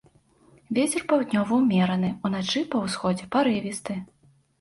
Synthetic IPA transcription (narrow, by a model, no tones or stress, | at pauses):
vʲet͡sʲɛrpawd̪ʲnʲɔvɐwmʲɛɾɐnɨun̪at͡ʂɨpɐwsxɔd͡zʲɛpaɾɨvʲist̪ɨ